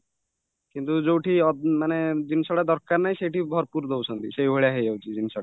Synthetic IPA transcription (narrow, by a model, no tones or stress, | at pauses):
kint̪ud͡ʒowʈʰiɔmaned͡ʒinsɔɽad̪ɔɾkaɾnajʃejʈibʱɔɾpuɾd̪owsʰɔnt̪iʃejʱoeɭaɦejd͡ʒawt͡ʃʰid͡ʑinsɔɽa